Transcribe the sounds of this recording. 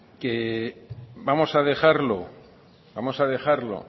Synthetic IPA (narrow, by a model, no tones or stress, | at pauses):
ke | bamo̞saðe̞xaɾlo̞ | bamo̞saðe̞xaɾlo̞̰